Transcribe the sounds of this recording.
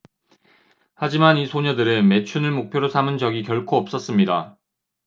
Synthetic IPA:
had͡ʑimanisʰoɲʌdɯɾɯnme̞t͡ɕʰunɯɭmok̚pʰjoɾosʰamɯnd͡ʑʌɡikjʌɭkʰoʌp̚s͈ʌs͈ɯmɲida

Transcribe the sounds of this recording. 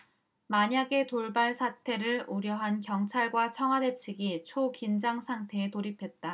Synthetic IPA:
maɲaɡe̞toɭbaɭsʰatʰe̞ɾɯɭuɾjʌɦankjʌŋt͡ɕʰaɭɡwat͡ɕʰʌŋɦwade̞t͡ɕʰiɡit͡ɕʰokind͡ʑaŋsʰaŋtʰe̞ːtoɾipʰe̞t̚t͈a

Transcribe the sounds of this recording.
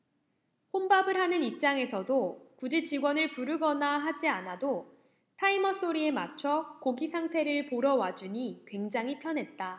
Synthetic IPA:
hombabɯɾɦanɯnip̚t͡ɕ͈aŋe̞sʰʌdokud͡ʑit͡ɕiɡwʌnɯɭpuɾɯɡʌnaɦad͡ʑianado | tʰaimʌs͈oɾie̞mat͡ɕʰʌkoɡisʰaŋtʰe̞ɾɯɭpoɾʌwad͡ʑuɲikwe̞ŋd͡ʑaŋɦipʰjʌnɦe̞t̚t͈a

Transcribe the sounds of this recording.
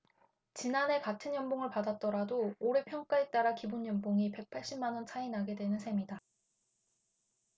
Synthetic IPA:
t͡ɕinane̞katʰɯnjʌmboŋɯɭpadat̚t͈ʌɾadoːɾe̞pʰjʌŋk͈aet͈aɾakibunjʌmboŋipe̞k̚pʰaɭɕ͈immanʌnt͡ɕʰainaɡe̞dwe̞nɯnsʰe̞mida

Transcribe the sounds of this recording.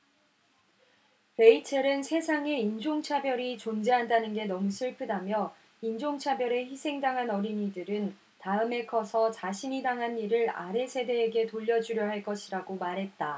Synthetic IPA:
pe̞it͡ɕʰeɾɯnsʰe̞sʰaŋe̞ind͡ʑoŋt͡ɕʰabjʌɾit͡ɕond͡ʑe̞ɦandanɯnɡe̞nʌmusʰɯɭpʰɯdamjʌ | ind͡ʑoŋt͡ɕʰabjʌɾe̞çisʰe̞ŋdaŋɦanʌɾiɲidɯɾɯn | taɯme̞kʰʌsʰʌt͡ɕaɕʰiɲidaŋɦaniɾɯɾa̰ɾe̞sʰe̞de̞ːɡe̞toʎːʌd͡ʑuɾjʌɦaɭk͈ʌɕʰiɾaɡomaɾɦe̞t̚t͈a

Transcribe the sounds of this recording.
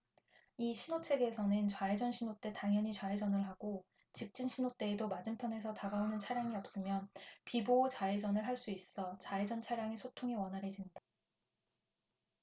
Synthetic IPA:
iɕʰinot͡ɕʰe̞ɡe̞sʰʌnɯnt͡ɕwaed͡ʑʌnɕʰinot͈e̞taŋjʌɲit͡ɕwaed͡ʑʌnɯɭɦaɡ̥o | t͡ɕik̚t͡ɕ͈inɕʰinot͈e̞ːdomad͡ʑimpʰjʌne̞s̬ʰʌtaɡaonɯnt͡ɕʰaɾjaŋiʌp̚s͈ɯmjʌnpiboːt͡ɕaed͡ʑʌnɯɭɦaɭs͈uis͈ʌt͡ɕaed͡ʑʌnt͡ɕʰaɾjaŋe̞sʰotʰoŋe̞wʌnɦaɾɦe̞d͡ʑimɲida

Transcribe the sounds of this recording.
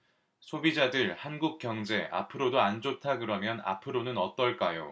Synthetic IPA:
sʰobid͡ʑadɯɾhanɡuk̚k͈jʌŋd͡ʑe̞a̰pʰɯɾodoand͡ʑotʰaɡɯɾʌmjʌna̰pʰɯɾonɯnʌt͈ʌɭk͈ajo̰

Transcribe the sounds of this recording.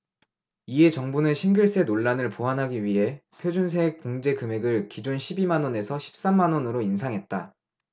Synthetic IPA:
ie̞t͡ɕʌŋbunɯnɕʰinɡuɭs͈e̞noɭːanɯɭpoɦanɦaɡiɥiɦe̞pʰjod͡ʑuns̬ʰek̚koŋd͡ʑe̞kɯme̞ɡɯɭkid͡ʑonɕʰibimanwʌne̞sʰʌɕʰi̥p̚s͈amːanʌnɯɾoinsʰaŋɦe̞t̚t͈a

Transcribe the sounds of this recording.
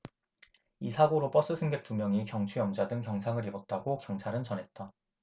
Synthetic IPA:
isʰaɡoɾop͈ʌs͈ɯsʰɯŋɡek̚t͈umjʌŋikjʌŋt͡ɕʰuʌmd͡ʑadɯŋkjʌŋsʰaŋɯɾibʌt̚t͈aɡokjʌŋt͡ɕʰaɾɯnt͡ɕʌnɦe̞t̚t͈a

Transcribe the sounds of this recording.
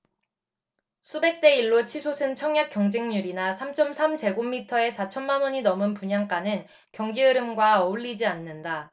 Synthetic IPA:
sʰube̞k̚t͈e̞iɭːot͡ɕʰisʰosʰɯnt͡ɕʰʌŋjak͈jʌŋd͡ʑeŋɲuɾinasʰamt͡ɕ͈ʌmsʰamt͡ɕe̞ɡomːitʰʌe̞sʰat͡ɕʰʌnmanwʌɲinʌmɯnpuɲaŋk͈anɯn | kjʌŋɡiɯɾɯmɡwaʌuɭːid͡ʑianːɯnda

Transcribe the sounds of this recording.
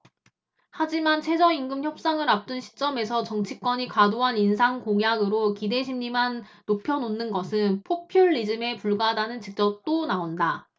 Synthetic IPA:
had͡ʑimant͡ɕʰe̞d͡ʑʌiŋɡɯmçjʌp̚s͈aŋɯɾap̚t͈ɯnɕʰi̥t͡ɕ͈ʌme̞sʰʌt͡ɕʌŋt͡ɕʰik͈wʌɲikadoɦaninsʰaŋkoŋjaɡɯɾokide̞ɕʰimɲimanː | opʰjʌnonːɯnɡʌsʰɯnpʰopʰjuɭːid͡ʑɯme̞puɭɡadanɯnt͡ɕik̚t͡ɕ͈ʌp̚t͈onaonda

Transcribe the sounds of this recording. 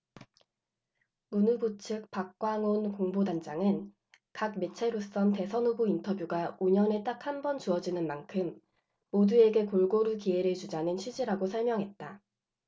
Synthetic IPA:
munubot͡ɕʰɯk̚pak̚k͈waŋonkoŋbodand͡ʑaŋɯn | kak̚me̞t͡ɕʰeɾos͈ʌnte̞sʰʌnubuintʰʌbjuɡaoɲʌne̞t͈ak̚hambʌnt͡ɕuʌd͡ʑinɯnmankʰɯmː | odue̞ɡe̞koɭɡoɾukie̞ɾet͡ɕud͡ʑanɯnɕʰɥid͡ʑiɾaɡosʰʌɭmjʌŋɦe̞t̚t͈a

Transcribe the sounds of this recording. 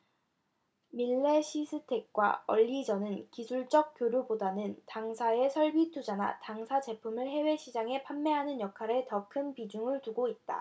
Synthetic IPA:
miɭːe̞ɕʰisʰɯtʰe̞k̚k͈wa̰ʌʎːid͡ʑʌnɯnkisʰuɭt͡ɕ͈ʌk̚k͈joɾjobodanɯntaŋsʰae̞sʰʌɭbitʰud͡ʑana̰taŋsʰad͡ʑe̞pʰumɯɭɦe̞we̞ɕʰid͡ʑaŋe̞pʰanːe̞ɦanɯnjʌkʰaɾe̞tʌkʰɯnpid͡ʑuŋɯɭtuɡoit̚t͈a̰

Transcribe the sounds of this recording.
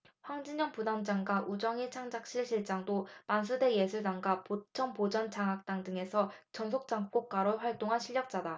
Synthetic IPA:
ɸwaŋd͡ʑiɲʌŋpudand͡ʑaŋɡaʔud͡ʑʌŋit͡ɕʰaŋd͡ʑak̚ɕ͈iɭɕʰiɭt͡ɕ͈aŋdomans̬ʰude̞jesʰudaŋɡapot͡ɕʰʌŋpod͡ʑʌnt͡ɕaŋɦak̚t͈aŋdɯŋe̞sʰʌt͡ɕʌnsʰok̚t͡ɕ͈aŋk͈ok̚k͈aɾoɸwaɭt͈oŋɦanɕʰiɭːʌk̚t͡ɕ͈ada

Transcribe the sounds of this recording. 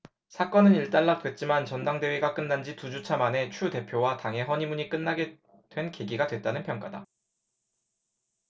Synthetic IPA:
sʰak͈ʌnɯniɭt͈aɭːat͈we̞t̚t͡ɕ͈imant͡ɕʌndaŋde̞wiɡak͈ɯnːand͡ʑitud͡ʑut͡ɕʰamane̞t͡ɕʰude̞pʰjowataŋɦe̞ɦʌɲimuɲik͈ɯnːaɡe̞ | d̥we̞nkeɡiɡadwe̞t̚t͈anɯnpʰjʌŋk͈ada

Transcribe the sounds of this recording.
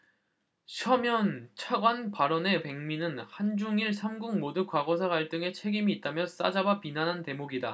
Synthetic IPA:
ɕʰʌmjʌnt͡ɕʰaɡwanpaɾʌne̞pe̞ŋminɯnhand͡ʑuŋiɭsʰamɡuŋmodɯk͈waɡʌs̬ʰakaɭt͈ɯŋe̞t͡ɕʰe̞ɡimiːt̚t͈amjʌs͈a̰d͡ʑabapinanɦante̞moɡida

